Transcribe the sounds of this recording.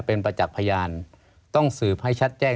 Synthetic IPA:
pe˧npa˧t͡ɕa˨˩k̚pʰa˧jaː˧n | t̪ɔ˥˩ŋsɯː˨˩p̚ha˥˩jt͡ɕʰa˦˥t̪̚t͡ɕɛː˥˩

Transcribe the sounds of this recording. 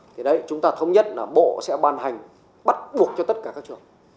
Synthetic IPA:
t̪ʰi˨˩ɗə˨˧jt͡ɕʊ˨˦ŋ͡mt̪aː˧t̪ʰə˧wŋ͡mɲə˦˥t̚laː˨˩ɓo̰˧˨sɛ̰˧˥ɓaː˧˩nɦa˨˩jŋ̟ | ɓa˦˥t̚ɓu˨˩ək̚t͡ɕɔ˧t̪ə˦˥t̚kaː˧˩kaː˦˥k̚t͡ɕɨ˨˩əŋ

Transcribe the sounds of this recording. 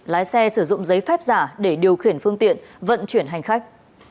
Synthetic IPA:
laː˨˦jsɛ˧sɨ˧˩zʊ̰˧˨ŋ͡mzə˨˦jfɛː˦˥p̚zaː˧˩ɗe˧˩ɗi˨˩əwxi˧˩ənfɨ˧əŋt̪ḭ˧˨ənvə̰˧˨nt͡ɕwi˧˩ənɦa˨˩jŋ̟xa˦˥k̚

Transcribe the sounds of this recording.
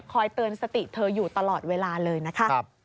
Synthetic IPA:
kʰɔː˧jt̪ɯː˧nsa˧t̪i˨˩t̪ʰɤː˧juː˨˩t̪a˧lɔː˨˩t̪̚weː˧laː˧lɤː˧jna˦˥kʰa˦˥˧

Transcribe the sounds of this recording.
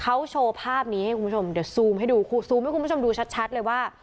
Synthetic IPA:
kʰa˦˥wt͡ɕʰoː˧pʰaː˥˩p̚niː˦˥a˥˩jku˧˦u˥t͡ɕʰo˧mdi˨˩əwsuː˧mha˥˩jduː˧kʰu˧suː˧mha˥˩jku˧˦˥o˧mduː˧t͡ɕʰa˦˥t̪̚t͡ɕʰa˦˥t̪̚lɤː˧jwaː˥˩

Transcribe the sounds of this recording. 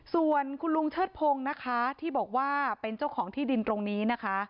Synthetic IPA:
su˨˩ənkʰu˧nlu˧ŋt͡ɕʰɤː˥˩t̪̚pʰoː˧ŋna˦˥kʰa˦˥t̪ʰiː˥˩bɔː˨˩k̚waː˥˩pe˧nt͡ɕa˥˩wkʰɔː˩˦ŋt̪ʰiː˥˩di˧nt̪ɾo˧ŋniː˦˥na˦˥kʰa˦˥

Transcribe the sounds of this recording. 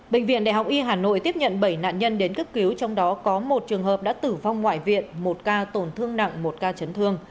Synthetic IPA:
ɓï˧˨ŋ̟vḭ˧ənɗaː˧˩ɦa˨˩k͡p̚ʔi˧ɦaː˨˩no̰˧˨jt̪i˦˥əp̚ɲə̰˧˨nɓə˧˩jna̰ː˧˨nɲə˧nɗe˨˦nkə˦˥p̚ki˨˦wt͡ɕɔ˧wŋ͡mɗɔ˨˦kɔ˨˦mo˨˩t̚t͡ɕɨ˨˩əŋɦəː˨˩p̚ɗa̰ː˧˥t̪ɨ˧˩va˧wŋ͡mŋwa̰ː˧˨jvḭ˧˨ənmo˨˩t̚kaː˧t̪o˨˩nt̪ʰɨ˧əŋna̰˧˨ŋmo˨˩t̚kaː˧t͡ɕə˨˦nt̪ʰɨ˧əŋ

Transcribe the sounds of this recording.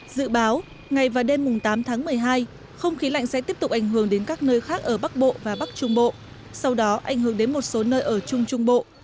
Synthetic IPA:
zɨ̰˧˨ɓaː˨˦w | ŋa˨˩jvaː˨˩wɗe˧mːʊ˨˩ŋ͡mt̪aː˨˦mt̪ʰaː˨˦ŋmɨ˨˩əjɦaː˧j | xə˧wŋ͡mxi˨˦la̰˧˨jŋ̟sɛ̰˧˥t̪i˦˥əp̚t̪ʊ˨˩k͡p̚ʔa˧˩jŋ̟ɦɨ˧˩əŋɗe˨˦nkaː˦˥k̚nəː˧jxaː˦˥k̚ʔəː˧˩ɓa˦˥k̚ɓo̰˧˨vaː˨˩ɓa˦˥k̚t͡ɕʊ˧ŋ͡mɓo̰˧˨ | sa˧wɗɔ˨˦ʔa˧˩jŋ̟hɨ˧˩əŋɗe˨˦nmo˨˩t̚so˨˦nəː˧jʔəː˧˩t͡ɕʊ˧ŋ͡mt͡ɕʊ˧ŋ͡mɓo̰˧˨

